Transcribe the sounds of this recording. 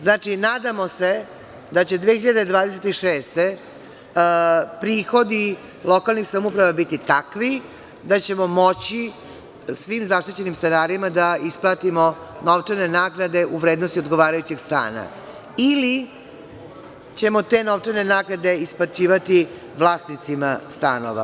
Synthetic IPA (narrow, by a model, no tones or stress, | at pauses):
znaːt͡ʃinaːd̪amo̞se̞ | d̪at͡ɕe̞d̪ʋeːxiʎad̪e̞d̪ʋaːd̪eset̪iʃeːst̪e̞ | pɾiːxo̞d̪i | lˠo̞kalnixsamupɾaʋabit̪it̪akʋi | d̪at͡ɕe̞mo̞mo̞t͡ɕi | sʋiːmzaʃt̪it͡ɕe̞nimst̪anaːɾimad̪aisplˠaːt̪imo̞no̞ʋt͡ʂaɾne̞naːɡnad̪e̞ʔuʋɾed̪nost̪io̞d̪ɡo̞ʋaːɾajut͡ɕeɡst̪a̰ːna̰ | ili | t͡ɕe̞mo̞t̪e̞no̞ʋt͡ʂaɾne̞naːɡnad̪e̞isplat͡ɕiːʋat̪i | ʋlˠaːsnit̪simast̪a̰no̰ʋa̰